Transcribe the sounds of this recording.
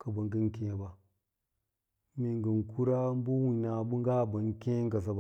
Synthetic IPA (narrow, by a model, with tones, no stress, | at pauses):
ka˨ba˨ŋɡi˦nke˨ba˨ | mi˨ŋɡə˨nku˦ɾa˦m˦bu˦wi˨na˨bu˦ŋɡa˦˨ba˨ŋ˦ke˦ŋ˦ɡa˨s̬a˨ba˦˨